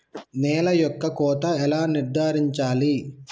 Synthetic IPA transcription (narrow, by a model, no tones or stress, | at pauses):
nɛːlɐjɔkːɐkɔːt̪ɐɛlaːniɾd̪ʱaːɾiɲt͡ʃaːli